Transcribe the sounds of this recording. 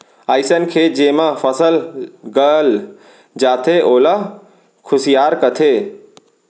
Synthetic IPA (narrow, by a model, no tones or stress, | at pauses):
aːɪsənkʰeːd͡ʑeːmãfɐsəlɡəl | d͡ʒaːt̪ʰeʔoːla | kʰʊsijaːɾkɐt̪ʰeː